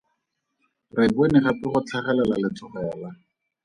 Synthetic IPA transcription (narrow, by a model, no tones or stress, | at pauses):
rɪbwenɪχapɪχʊt͡ɬʰaχɛlɛlalɪt͡sʰɔχɔala